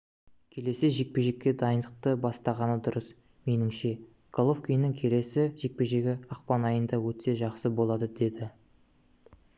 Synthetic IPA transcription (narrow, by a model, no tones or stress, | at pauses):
kʲʰe̞le̞sɪʒe̞k̚pe̞ʒe̞kʲːe̞d̪ɑjənd̪əq̚t̪əbɑst̪ɑʁɑnəd̪ʊɾəs | me̞nɪŋʃe̞ | ɡ̥ʰolˠofkʲijnɪŋkʲʰe̞le̞sɪʒe̞k̚pe̞ʒe̞ɡʲɪɑqpɑnɑjənd̪ɑwɵt̪se̞ʒɑqsəbo̞lˠɑd̪əd̪e̞d̪ɪ